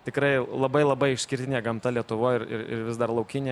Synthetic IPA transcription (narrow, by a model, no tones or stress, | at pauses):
t̪ʲɪkɾɐɪlˠɐbɐɪlˠɐbɐɪɪʃʲsʲkʲɪɾʲt̪ʲɪnʲeːɡɐmt̪ɐlʲiɛt̪ʊʋoːɪɾɪ̰ɾɪ̰ɾʋʲɪzd̪ɐrlˠɐʊkʲɪnʲeː